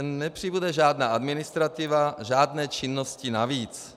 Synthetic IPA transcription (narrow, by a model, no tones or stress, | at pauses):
nːɛpr̝̥ibudɛʒaːdnaːʔadmɪnɪst̪ɾat̪ɪvaʒaːdnɛːt͡ʃɪnːoscɪnaviːt͡s